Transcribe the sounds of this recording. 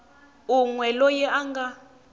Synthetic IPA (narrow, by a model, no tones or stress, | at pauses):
uŋwɛlɔjɛʔaŋɡa